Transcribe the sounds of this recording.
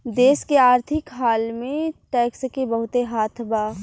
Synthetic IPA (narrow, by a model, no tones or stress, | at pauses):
d̪eːskeaːɾt̪ʰɪkɦaːlmẽʈɛːkskebəɦʊt̪eɦaːt̪ʰbaː